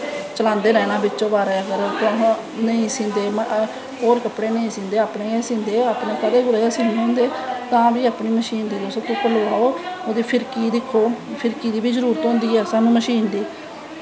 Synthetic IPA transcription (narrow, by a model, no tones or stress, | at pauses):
t͡ʃəlãːnd̪eːɾɛːnãːbɪt͡ʃːʃõːbaːɾɛːəɡəɾt̪õːɦ | nəĩːsĩːnd̪eːm | ɦoːɾkəpɽeːnəĩːsĩːnd̪eːaːpɳẽːɡɛːsĩːnd̪eːaːpɳẽːkəd̪eːɡʊɾeːɡɛːsĩːnd̪ɦõːnd̪eːt̪ãːbiːaːpɳiːməʃiːnd̪iːd̪osõːt̪ʊkəloːaːoːoːd̪iːpʰɪɾkiːd̪ɪkʰːoːpʰɪɾkiːd̪iːbiːzəɾuːɾət̪ɦõːnd̪iːɛːsaːnũːməʃiːnd̪iː